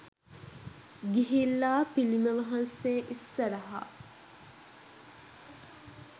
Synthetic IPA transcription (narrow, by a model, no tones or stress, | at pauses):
ɡiɦilːaːpiliməʋɐɦɐnseːʔisːɐɾɐɦa̰